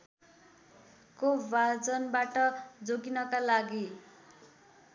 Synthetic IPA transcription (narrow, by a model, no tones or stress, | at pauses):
kobad͡zʌnbaʈʌd͡zoɡinʌkalaɡi